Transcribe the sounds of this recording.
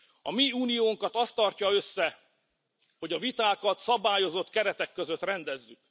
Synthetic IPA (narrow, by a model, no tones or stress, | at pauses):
ɒmiuːnijoːŋkɒt̪ɒst̪ːɒrcɒø̞sːɛ | ho̞ɟɒvit̪aːkɒt̪sɒbaːjo̞zo̞t̪kɛɾɛt̪ɛkːøzøt̪rɛnd̪ɛzːyk